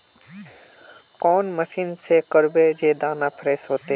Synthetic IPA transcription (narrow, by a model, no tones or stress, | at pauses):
kɔːnməsiːnsekəɾbed͡ʒeːd̪aːnaːpʰɾeːsɦoːt̪e